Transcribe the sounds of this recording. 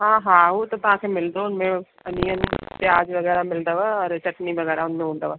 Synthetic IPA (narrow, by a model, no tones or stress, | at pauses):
ɦãːɦãːɦut̪ot̪ʊɦãːkʰeːmɪld̪oʊnmẽ | ɐnijənpjaːd͡ʒʋəɣɛːɾamɪld̪aːʋəɔɾt͡ʃɐʈniʋəɣɛːɾaʊnmẽɦũːnd̪a̰ːʋə